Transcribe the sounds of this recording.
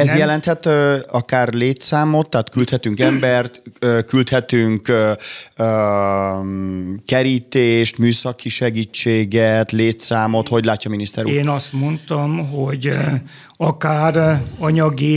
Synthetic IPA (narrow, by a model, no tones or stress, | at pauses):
ɛzjɛlɛnt̪hɛt̪øɒkaːrleːt̪saːmo̞t̪ːaːt̪kylt̪hɛt̪yŋkɛmbɛrt̪økylt̪hɛt̪yŋkøø | kɛɾiːt̪eːʃt̪myːsɒkːiʃɛɡiːt͡ʃːeːɡɛt̪leːt̪saːmo̞t̪ho̞ɟlaːcːɒminist̪ɛɾeːnɒst̪mo̞nt̪ɒmɦoɟ | ɒkaːrɒɲɒɡi